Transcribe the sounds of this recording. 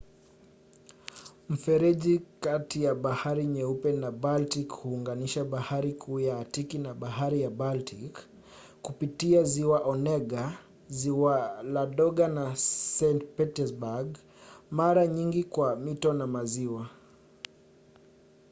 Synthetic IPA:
m̩fɛɾɛʄikatijaɓahaɾiɲɛupɛnabaltikhuːŋɡaniʃaɓahaɾikʰuːjaːtikinaɓaɦaɾijabaltʰikː | upitiaziwaʔɔnɛɠa | ziwalaɗɔɠanasɛntpitɛsbaɡ | maɾaɲiŋɡikwamitɔnamaziwa

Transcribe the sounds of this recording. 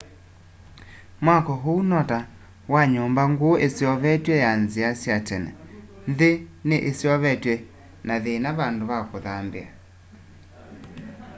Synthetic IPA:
mwakɔɦounɔta | waɲombaŋɡoːʔesiɔβɛtwɛjanziasjatɛnɛ̰nðeneʔesiɔβɛtwɛ | naðenaβandoβakoðambea

